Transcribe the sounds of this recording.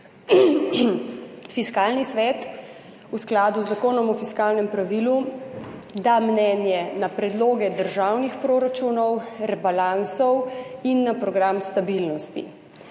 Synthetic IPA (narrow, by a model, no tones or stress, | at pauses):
fiskaːlnisʋɛːt̪ | usklaːd̪uzːakoːnɔmɔfiskaːlnɛmpɾaʋilu | d̪amnɛːnjɛnapɾɛd̪loːɡɛd̪əɾʒawnixpɾoːɾat͡ʃuːnɔwɾɛbalansɔwinːapɾɔɡɾamst̪abilnɔst̪ḭ